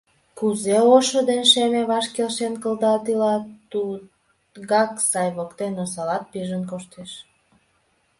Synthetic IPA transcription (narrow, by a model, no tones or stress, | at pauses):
kuzeoʃod̪enʃemeβɑʃkelʃenkəld̪ɑt̪ilɑt̪u | ɣɑksɑjβokt̪enos̬ɑlɑt̪̚piʒənkoʃt̪eʃ